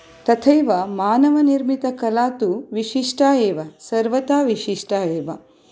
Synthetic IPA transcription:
t̪ɐt̪ʰɐjʋɐmaːnɐʋɐniɾmit̪ɐkɐlaːt̪uʋiʃiʂʈaːjeːʋɐsɐɾʋɐt̪aːʋiʂiʂʈaːjeːʋɐ

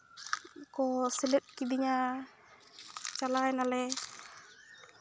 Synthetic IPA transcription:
kɔsilɛt̪̚kid̪iɲa | t͡ʃalajnalɛ

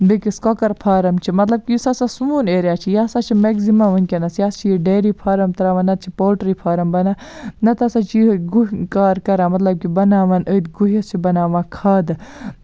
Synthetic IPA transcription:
bikiskokɐɾpʰaːɾɐmt͡ʃʰimɐt̪lɐb̚kʲijisɐsasuuːneːɾʲjaːt͡ʃʰijaːsat͡ʃʰimeɡzimɐʋɐnʲkʲenɐsjaːst͡ʃʰijiɖeːɾiːpʰaːɾɐmt̪ɐɾaːʋaːnːɐt̪̚t͡ʃʰipoːlʈɾipʰaːɾɐmbɐnãːnɐt̪ɐsaːt͡ʃʰjiɡuɦkaːɾkɐɾãːmɐt̪lɐb̚kibɐnaːʋanəːd̪ɡuɦɐst͡ʃʰibɐnaːʋãːkʰaːd̪

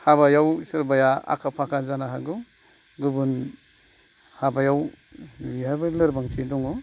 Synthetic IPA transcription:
haβajawsɯɾbajaa̰kʰapʰakʰazanaɦaɡu | ɡubun | habajaw | wiabɯlɯɾbaŋt͡ʃʰidɔŋɔ

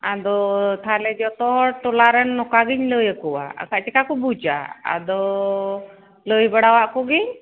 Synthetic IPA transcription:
ad̪ɔt̪ʰalɛd͡ʒɔt̪ɔɦɔʈɔlaɾɛnːɔkaɡiɲləjəkɔwa̰a̰kaʔt͡ʃɛkakɔbud͡ʒa̰a̰d̪ɔ | ləjbaɽawaʔkɔɡiɲ

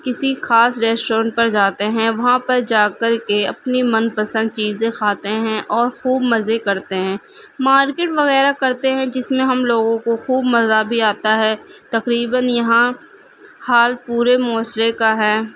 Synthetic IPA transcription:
kɪsixaːsɾɛːsʈoːɾə̃ɳʈ̚pɐɾd͡ʒaːt̪eɦɛ̃ʋɐɦãpɐɾd͡ʒaːkɐɾkeɐpnimɐ̃npəsə̃nd̪̚t͡ʃiːzẽkʰaːt̪eɦɛ̃ʔɔːɾxuːbmɐzekɐɾt̪eɦɛ̃ː | maːɾkeːʈʋɐɣɛːɾakɐɾt̪eɦɛ̃d͡ʒɪsmẽɦɐmloːɡõkoxuːbmɐzabʱiaːt̪aɦɛːt̪ɐqɾiːbənjɐɦã | haːlpuːɾemɔːsɾekaɦɛː

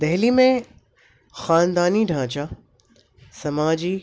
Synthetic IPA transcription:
d̪ɐɦlimẽ | xaːnd̪aːniɖʱãːt͡ɕa | sɐmaːd͡ʑi

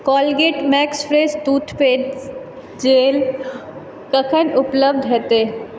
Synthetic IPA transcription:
kɔːlɡeːʈmɛːkspʰɾeːst̪uːʈ̪ʰpeːɖ | d͡ʒeːl | kəkʰənʊpləbd̪ɦɛːt̪eː

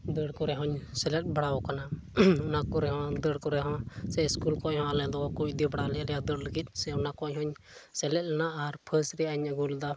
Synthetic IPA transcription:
d̪əɽkɔɾɛɦɔ̃ɲsɛlɛt̪̚ˀbaɽaɔkanaɔnakɔɾɛɦɔ̃d̪əɽkɔɾɛɦɔ̃sɛskulkɔɲhɔ̃alɛd̪ɔkut͡ʃ̚ˀd̪ibaɽalɛlɛjad̪əɽləɡit̪̚ˀsɛɔnakɔɲɦɔ̃ɲ | sɛlɛt̪̚ˀlɛnaaɾpʰəsɾiaɲəɡuld̪a

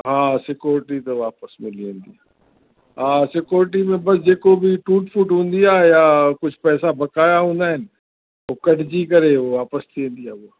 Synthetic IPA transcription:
ɦãːsɪkjoːɾʈit̪oʋaːpəsmɪ̃liẽːnd̪ijaː | ɦãːsɪkjoːɾʈ̬imẽbɐsd͡ʒeːkobʱiʈuːʈfʰuːʈɦõːnd̪ijaːjakʊt͡ʃʰpɛːsabɐkaːjaɦõːnd̪aːɦɪn̆ | oːkɐɖd͡ʒikɐɾeʋoʋaːpəst̪ʰẽːnd̪ijaːʋoː

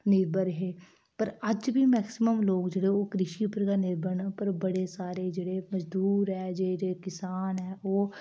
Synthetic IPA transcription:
nɪɾbəɾɦeː | pəɾɐd͡ʒbʱimɛːksɪməmloːɡd͡ʒeɽeoːkɾɪʃipəɾkanɪɾbəɳpəɾbɐɽesaːɾed͡ʒəɽemɐd͡ʒd̪ʱuːɾɦɛːd͡ʒed͡ʒekɪsaːnɦɛːoː

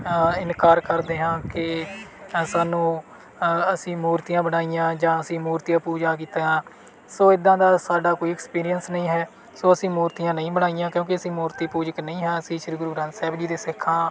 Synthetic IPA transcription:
ɪnkaːɾkəɾd̪eːɦãːkɪ | saːnũː | əsĩːmuːɾt̪ijãːbəɽaːijãːd͡ʒãːəsĩːmuːɾt̪ijãːpuːd͡ʒãːk̬iːt̪aːɦãː | soːɪd̪ːãːd̪aːsaːɖaːkoːiɛkspiːɾijənsnəĩːɦɛː | soːəsĩːmuːɾt̪ijãːnəĩːbəɽ̃aːijãːkjõːkɪəsĩːmuːɾt̪iːpuːd͡ʒəknəĩːɦɛːəsĩːʃɪɾɡɾuːɾãːnsɛːbd͡ʒiːd̪eːsɪkʰːãː

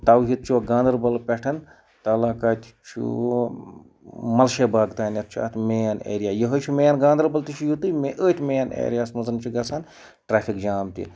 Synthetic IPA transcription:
t̪ɐwɦit̪̚t͡ʃʰuɡãːnd̪ɐɾbɐlpʲɛʈʰɐn | t̪ɐːlaːkaːt̪ʲt͡ʃʰṵ | mɐlʃeːbaːɡt̪aːnjɐt̪̚t͡ʃʰa̰ːt̪meːanḛːɾijaːjɐɦɐt͡ʃʰumeːanɡãːnd̪ɐɾbɐlt̪it͡ʃʰujut̪ɨmeʔəːt̪ʲmejanḛːɾʲijaːsmɐzɐnt͡ʃʰuɡɐsaːn | ʈɾaːfʰikd͡ʒaːmt̪ḭ

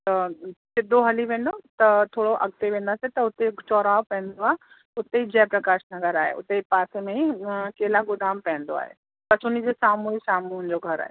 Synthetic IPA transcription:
t̪ɐsɪd̪ʱːoɦɐliʋẽːn̆d̪ot̪ɐt̪ʰoːɽoʔɐ̰ɡ̚t̪eʋẽːn̆d̪aːset̪ɐʊt̪et͡ɕɔːɾaːʋpɐ̃ɦɪ̃nd̪d̪oaːɦe | ʊt̪eid͡ʑɛːpɾɐkaːʃnɐɡəɾaːɦḛʔʊ̰t̪epaːsemẽikeːlaɡʊd̪aːmpɛ̃ɦɪ̃nd̪oa̰ːɦḛ | pɐsʊnid͡ʑesaːmuisaːmuʊnd͡ʑoɡʱɐɾa̰ːɦe

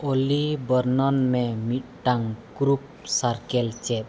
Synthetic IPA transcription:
olibəɾnɔnmemit̚ʈaŋkɾup̚saɾkɛlt͡ʃɛ

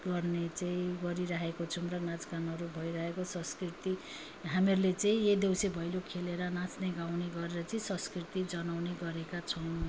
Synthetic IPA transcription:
ɡʌrnet͡saĩɡʌɾiɾaɦekot͡sʰumrʌnad͡zɡanʌɾubʱʌjɾʌɦekosʌ̃skrit̪i | ɦameɾulet͡sãĩjed̪ewsebʱʌjlokʰeleɾʌnãt͡sneɡawneɡʌɾeɾʌt͡sʌĩsʌ̃skrit̪id͡zʌnawneɡʌɾekat͡sʰʌn

